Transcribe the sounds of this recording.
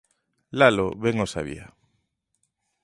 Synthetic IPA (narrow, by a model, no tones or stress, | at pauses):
laloβɛŋosa̰βḭa̰